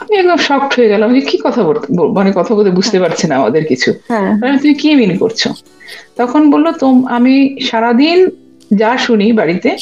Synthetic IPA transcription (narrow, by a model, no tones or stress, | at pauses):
amiɛk̚d̪omʃɔk̚ʈɦoeɡɛloamad͡ʑekikɔt̪ʰaboɾt̪bomanekɔt̪ʰabolt̪ʰebud͡ʑʱt̪epaɾt͡ɕʰenaama̰d̪eɾkit͡ɕʰuaamit̪umikiminko̰ɾt͡ɕʰo̰ | t̪ɔkʰonbolːot̪omamiʃaɾad̪in | d͡ʑaʃunibaɽit̪e